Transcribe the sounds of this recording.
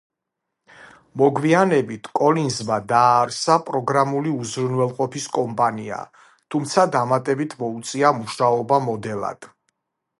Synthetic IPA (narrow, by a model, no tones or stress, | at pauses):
mɔɡwianɛbit̪ʰkʼɔlinzmad̪aːɾsapʼɾɔɡɾamuliuzɾunwɛlˠqʼɔpʰiskʼɔmpʼania̰ | t̪ʰumt̪sʰad̪amat̪ʼɛbit̪ʰmɔut̪sʼiamuʃaɔbamɔd̪ɛlˠa̰d̪̥